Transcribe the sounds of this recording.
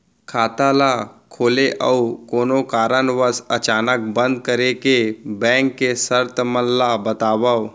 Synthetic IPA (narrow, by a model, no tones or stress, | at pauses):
kʰaːt̪alakʰoːleʔəukoːnokaːɾənʋəsət͡ʃaːnək̚bə̃nd̪̚kəɾekebɛ̃ːŋkːesəɾt̪ʰməllabət̪aːba